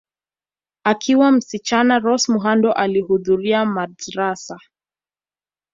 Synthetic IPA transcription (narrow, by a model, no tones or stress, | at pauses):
akʰiwam̩sit͡ʃanaɾɔsmuɦandɔʔalihuðuɾiamadɾasa